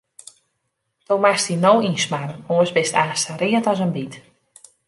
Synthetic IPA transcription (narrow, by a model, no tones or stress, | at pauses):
d̥owmastinowinsmarənoəsbɪstaːstəɾiətɔsənbit